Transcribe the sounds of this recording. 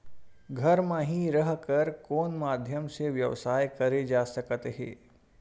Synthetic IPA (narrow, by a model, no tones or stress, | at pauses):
ɡʱəɾmãɦĩɾəɦkəɾkoːnmad̪ʱjəmseʋjəʋsaːjkəɾed͡ʒasəkət̪ɦḛ